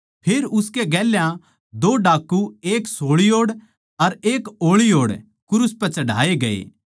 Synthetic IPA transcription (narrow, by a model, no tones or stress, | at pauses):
pʰeːɾʊskeɡɛːljã | d̪oːɖaːkːueːksoːɭioːɽ | ɐɾeːkoːɭioːɽ | kʊɾʊspɛt͡ʃɐɖa̰ːeɡɐḛː